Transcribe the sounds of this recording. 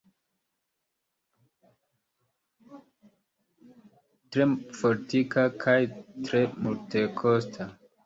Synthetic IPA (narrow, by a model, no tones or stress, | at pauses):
tɾe̞foɾtikakʰajtɾe̞multe̞kʰostʰa